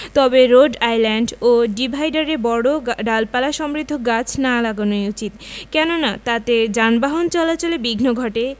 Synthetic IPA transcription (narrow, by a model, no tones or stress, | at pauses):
t̪ɔbeɾoɖajlɛɳɖoɖibʱajɖaɾebɔɽoɖalpalaʃɔmɾid̪ʱːoɡat͡ɕʰnalaɡonojut͡ɕit̪kɛnonat̪at̪ed͡ʑanbaɦont͡ɕɔlat͡ɕolebiɡʱnoɡʱɔʈe